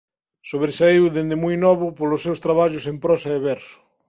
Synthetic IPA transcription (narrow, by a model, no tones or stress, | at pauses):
soβɾesaiwðend̪emujnɔβʊpolosːewst̪ɾaβaʎʊsempɾɔsɐeβɛɾsʊ̥